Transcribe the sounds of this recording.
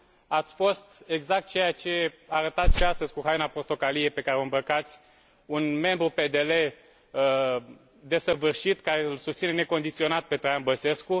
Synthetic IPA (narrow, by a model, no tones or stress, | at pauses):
at̪sʲfo̞st̪e̞ɡzak̚t̪̚t͡ʃejat͡ʃe̞aɾət̪at̪sʲʃeast̪əzʲkuɦajnapo̞rt̪o̞kalie̞pe̞kaɾeoɨmbəkat̪sʲ | unme̞mbɾupe̞d̪e̞le̞ | d̪e̞səvɨrʃit̪kaɾe̞ɨlsust̪sine̞ne̞ko̞nd̪it̪sio̞nat̪̚pe̞t̪ɾajanbəse̞sku